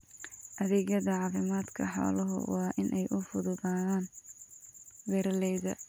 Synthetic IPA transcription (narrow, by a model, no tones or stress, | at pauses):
ʔɐðɛːɣjɐðɐʕɑːfɪmaːd̪kʰɐħɔ̰ːlɐɦʊ̰wɑːʔɪnʔɛjʔʊfʊðʊðaːðaːn | wɛɾɐlɛːðɐ